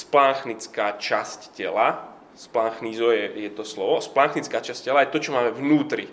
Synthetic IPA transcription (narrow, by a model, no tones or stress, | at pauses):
splaŋxnit͡skaːt͡ʃasccɛ̰la | splaŋxnizɔjɛjɛt̪ɔslɔʋɔsplaŋxnit͡skaːt͡ʃascɛlajɛt̪ɔt͡ʃɔmaːmɛvnuːt̪ɾi